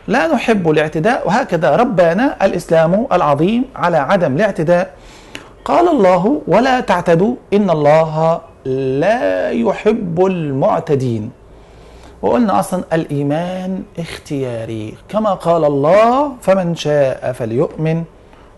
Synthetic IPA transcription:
laːnʊħɪbːalɪʕt̪ɪd̪aːʔwɪɦaːkaðaɾˤɑbːanaʔalʔɪslaːmʔa̰lʕɑðˤiːmʕalaːʕad̪amɪlɪʕt̪ɪd̪aːʔ | qɑːlɑlˤːɑːɦʊwalaːt̪aʕt̪ad̪uʔɪnːɑlˤːɑːɦ | laːjʊħɪbːalmʊʕt̪ad̪iːn | wɪ̰ʔʊlnaʔɑsˤlɑnʔalʔiːmaːnʔɪxt̪ɪjaːɾḭːkamaqɑːlɑlˤːɑːfamɪnʃaːʔafaljʊʔmɪn

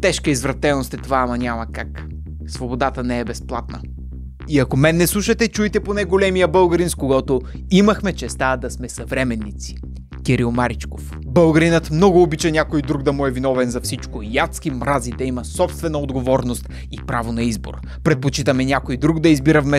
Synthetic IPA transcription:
t̪ɛʃkəizvɾɐt̪ɛnost̪ɛt̪ovaːmɐnʲamɐkak | svobod̪at̪ənɛɛbɛsplˠat̪̚nə̰ | iɐkomɛnːɛslˠuʃɐt̪ɛt͡ʃujt̪ɛponɛɡolɛmijəbəlˠɡɐɾinskoɡɔt̪o | imɐxmɛt͡ʃɛst̪ad̪ɐsmɛsɐvɾɛmɛnːit̪si̥ | kʲɛɾilˠmaɾit͡ʃkof | bəlˠɡɐɾinət̪mnɔɡʊːbit͡ʃɛnʲakojd̪ɾuɡd̪ɐmuɛvinɔvɛnzɐfsit͡ʃkojat̪skimɾazit̪ɛimɐsɔpst̪vɛnɐod̪ɡovɔɾnost̪ | ipɾavonɐizbo̰ɾ | pɾɛt̪̚pot͡ʃit̪əmɛnʲjakojd̪ɾuɡd̪ɐizbiɾəvmɛ

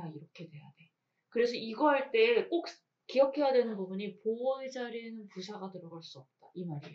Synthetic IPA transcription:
aiɾʌkʰe̞de̞jade̞ | kɯɾe̞sʰʌiɡʌɦaɭt͈e̞ːk͈ok̚ | kijʌkʰe̞jadwe̞nɯnbubuɲipoʌid͡ʑaɾinɯnpusʰaɡatɯɾʌɡaɭs͈uʌp̚t͈aimaɾi

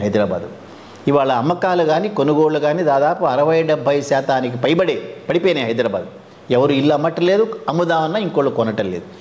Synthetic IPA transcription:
ɦɐjd̪iɾɐba̰ːd̪u | iʋaːɭɐːmːɐkaːlɐɡaːnikonuɡoːɭuɡaːnid̪aːd̪aːpuɐɾɐʋɐjɐɖɐbʱːɐjsaːt̪ʰaːnikepɐjbɐɽepɐɽipeːneːɦɐjd̪iɾɐba̰ːd̪u | ɛʋɐɾuilːɐmɐʈːɐleːd̪uɐmud̪aːʋɐnːɐiŋkoːɭːukɔnːɐʈːɐlḛːd̪u

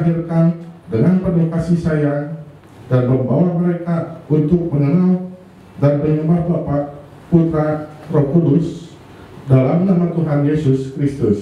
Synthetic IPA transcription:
ɦirkandəŋanpərnikasisaja | danməmbawaməɾekaunt̪ʊk̚məŋənal | danpəɲəbabapa | put̪ɾarokulʊs | dalamnamat̪uɦanjesʊskɾist̪ʊs

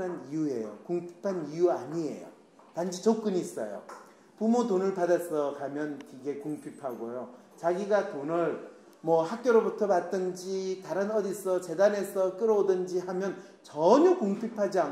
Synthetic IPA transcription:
ɯnijue̞jo̰kuŋpʰi̥pʰanijuaɲie̞̰jo̰ | tand͡ʑit͡ɕʌk̚k͈ɯnis͈ʌ̰jo̰ | pumotonɯɭpadas͈ʌkamjʌnkiɡe̞kuŋpʰipʰaɡojo | t͡ɕaɡiɡatonɯɭ | mwʌhak̚k͈jʌɾobutʰʌpat̚t͈ɯnd͡ʑitaɾɯnʌdis͈ʰʌt͡ɕe̞dane̞sʰʌk͈ɯɾʌodɯnd͡ʑihamjʌn | t͡ɕʌɲukuŋpʰipʰad͡ʑia

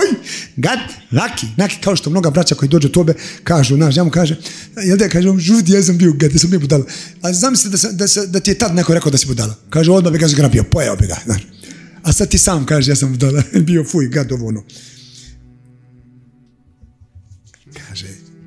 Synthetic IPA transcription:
ojɡad̪ɾakʰinaki̥kaoʃt̪omno̞ɡabɾat͡ʃako̞jid̪oːd͡ʒet̪obekaːʒunaːʃ̬jaːmukaːʒejeld̪akaːʒeomʒud̪ijas̬ambioɡad̪jasambijobud̪alaazaːmislit̪d̪asd̪ased̪at̪ijet̪ad̪nekoɾekaod̪asibud̪alakaːʒeod̪mabiɡazoɡɾabiopojaobiɡa̰zna̰ːʃasad̪̚t̪iːsaːmkaːʒejaːsambud̪alabiofuiɡad̪oʋoːlnoː | kʰḁːʒe

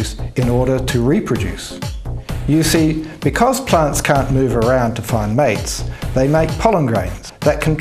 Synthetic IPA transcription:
sɨ̃nɔɹɾəɾʰəɹipʰɹ̥ɨd͡ʒʉ̰s | jɨsib̥ɨkʰʌz̥pʰl̥æ̃ntskʰæ̃nmʉvə˞ãʊ̃ntʰəfãɪ̃nmeɪtsðeɪmeɪk̚pʰʌlˠə̃mɡɹḛ̃ɪ̃nz̥ðət̚kʰə̃nt

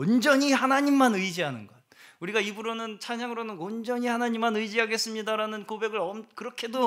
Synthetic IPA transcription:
wʌnd͡ʑʌɲihanaɲimːanɯid͡ʑiɦanɯnɡʌt̚uɾiɡaibuɾonɯnt͡ɕʰaɲaŋɯɾonɯnwʌnd͡ʑʌɲihanaɲimːanɯid͡ʑiɦaɡe̞s͈ɯmɲidaɾanɯnkobe̞ɡɯɾʌmkɯɾʌkʰe̞do

